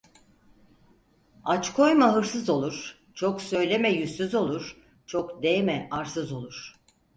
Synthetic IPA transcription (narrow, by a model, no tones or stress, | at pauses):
at͡ʃkʰo̞jmaɦɯɾsɯzo̞lˠuɾ̥ | t͡ʃʰoksø̞jlʲemɛjysyzo̞lˠuɾ̥ | t͡ʃʰokd̪ejmɛʔaɾsɯzo̞lˠuɾ̥